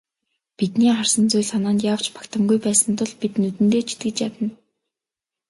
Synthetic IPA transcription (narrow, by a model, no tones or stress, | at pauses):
pit̪niːχar̥sə̆nt͡sʊjɮanaːnt̪jaːw̥t͡ɕpḁkt̪ə̆mɡujpæːsə̆nt̪ʊɮpit̪nɵt̪ɘ̆nt̪eːt͡ɕʰi̥t̪̚ɡɘ̆t͡ɕjat̪ə̆n